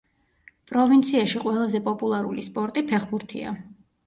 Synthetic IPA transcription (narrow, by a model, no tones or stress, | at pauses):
pʼɾɔvint̪sʰiaʃiqʼwɛlˠazɛpʼɔpʼulˠaɾṵlispʼɔɾt̪ʼipʰɛχbuɾt̪ʰḭa̰